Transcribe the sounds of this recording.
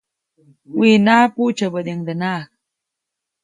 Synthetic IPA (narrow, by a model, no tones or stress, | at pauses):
winaːput͡ʃabəd̪eŋd̪ənak̚